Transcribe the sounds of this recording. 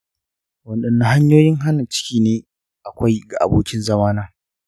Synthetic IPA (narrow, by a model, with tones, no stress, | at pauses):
wɐ˨nɗɐ˨nːa˦ɦa˦ɲjoː˦jɪ˦ŋɦa˦na˨t͡ʃɪ̥˦kʲiː˦neː˦ | ʔa˨kʷa˦jɡa˨ʔa̰˨boː˦kʲɪ˦nzɐ˦maː˦naː˦